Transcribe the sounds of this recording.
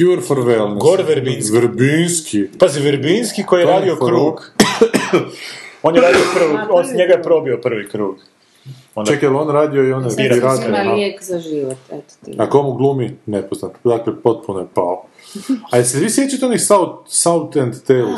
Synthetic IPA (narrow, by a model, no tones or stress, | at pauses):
kjuɾfoɾʋelnɡoɾʋɛɾbinssʋɾbinskʰipaziʋeɾbinskikojijeɾaːd̪iokɾuːɡ | onjeɾaːd̪iopr̩ʋoonsɲeɡajepɾobiopr̩ʋikɾuːɡ | ondt͡ʃ̪ekjelonɾaːd̪ioijoneɾiɾad̪akzaʒiʋot̪ɛt̪iakomuɡlˠuminepoznat̪d̪aklepo̞t̪̚punojepao | ajelseʋisʋjet͡ʃat̪eonisawt̪saut̪ent̪t̪e